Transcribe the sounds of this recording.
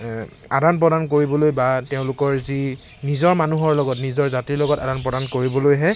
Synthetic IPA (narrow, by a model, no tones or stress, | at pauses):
adanp̬ɹɔdank̬oɹibɔlojbateʊ̃lʊkɔɹzi | nizɔɹmanuɦɔɹlɔɡɔtnizɔɹzatiɹlɔɡɔtadanpɹɔdankoɹibɔlojɦɛ